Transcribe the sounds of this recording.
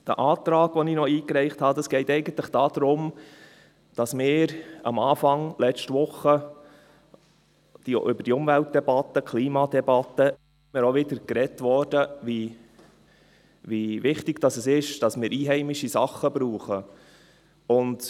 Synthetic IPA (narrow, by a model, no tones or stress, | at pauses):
d̥ə̰ʔɑːt̪ɾɑːɡ̥ʋɔninɔiːkɾɛɪχt̪hɑd̥̪ɑsɡ̥ɛɪt̪ɛɪɡənt̪ləχd̥ɑːd̪̥ɾʊm | d̥ɑsmɪːɾɑ̰mɑːfɑŋlɛt͡ʃtʋʊχːə | d̥iʔʏbəd̥iʊmvælt̚d̥ɛbɑt̪ːəkʰliːmɑd̪ɛbɑt̪ːə | ɪmɪːɾoʋɪdəɾkɾɛtʋɔɾd̥əʋi | ʋiʋɪχtɪɡ̥d̥ɑsəsɪʃd̥ɑsmɪːɾʔiːɦɛɪmɪʃisɑχːəbɾuːχə | ʊnd